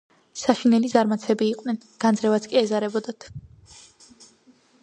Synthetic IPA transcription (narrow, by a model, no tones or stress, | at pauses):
saʃinɛlizaɾmat̪sʰɛbiːqʼwnɛnɡ̥and̪zɾɛvat̪sʰkʼiɛzaɾɛbɔd̪at̪ʰ